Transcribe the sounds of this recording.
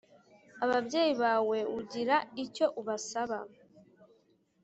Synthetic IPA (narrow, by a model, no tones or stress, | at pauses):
aβabɟe̞ːjiβaːwe̞uɟiɾaico̞ʔuβasaβa